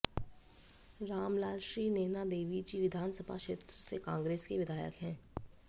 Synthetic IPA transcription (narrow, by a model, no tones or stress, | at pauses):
ɾaːmlaːlʃɾiːneːnad̪eːʋid͡ʒiʋɪd̪ʱaːnsəbʱa̰ʃeːt̪ɾəsekãːŋɡɾeːskeʋɪd̪ʱaːjə̰kɦɛ̃ː